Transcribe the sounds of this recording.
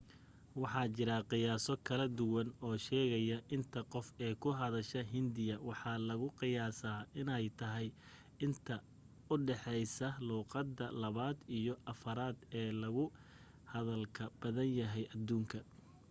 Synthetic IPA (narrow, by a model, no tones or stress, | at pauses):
wɑħɑːt͡ʃɪɾɐqɪjaːsɔkʰɐlɐd̪ʊwɐnɔːʃɛːɣɐjɐʔɪnt̪ʰɐqɔfɛːkʰʊɦɐðɐʃɐɦɪnd̪ɪjɐwɑħɑlɐɣʊqɪjaːsaːʔɪnɛjt̪ʰɐɦɛj | ɪnt̪ʰɐ | ʊɖɛħɛjsɐluːqɑd̪ːɐlɐβaːd̪ijɔʔɐfɐɾaːd̪ɛːlɐɣʊ | hɐðɐlkʰɐb̥ɐðɐnjɐɦɛjʔɐd̪ːuːŋkʰɐ